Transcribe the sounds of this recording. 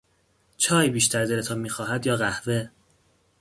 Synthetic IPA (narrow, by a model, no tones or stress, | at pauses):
t͡ʃʰɒːjbiːʃt̪ʰæɾd̪elet̪ʰɒːnmiːxɒːɦæd̪jɒːɣæhve̞